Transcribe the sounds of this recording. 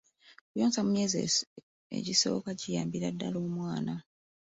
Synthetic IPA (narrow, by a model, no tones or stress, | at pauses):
okujoːnzamumje̞ːze | ḛɟiso̞̰ːkaɟijaːmbiɾadːaloːmwaːna